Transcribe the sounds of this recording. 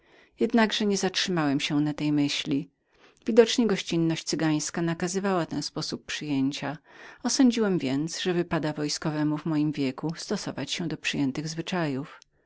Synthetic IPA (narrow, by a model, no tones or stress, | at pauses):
jɛd̪naɡʐɛɲɛzatʂɘmawɛmɕɛnat̪ɛjmɘɕlʲi | vʲid̪ɔt͡ʂɲɛɡɔɕt͡ɕinːɔɕt͡ɕt̪sɘɡaj̃skanakazɘvawat̪ɛñspɔsupːʂɘjeɲt͡ɕaɔsɔɲd͡ʑiwɛmvʲjɛnt̪sʐɛvɘpad̪avɔjskɔvɛmuvmɔjimvʲjɛkust̪ɔsɔ̰vat͡ɕɕɛ̃d̪ɔpʂɘjɛnt̪ɘɣzvɘt͡ʂajuf